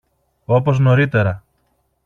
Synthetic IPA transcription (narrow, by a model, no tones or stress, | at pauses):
o̞po̞zno̞ɾit̪e̞ɾɐ